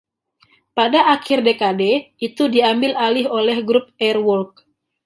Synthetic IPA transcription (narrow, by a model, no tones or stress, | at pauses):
padaʔakʰɪrdekadeit̪udiambɪlalɪɦolɛhɡɾup̚ɛrwɔrk̚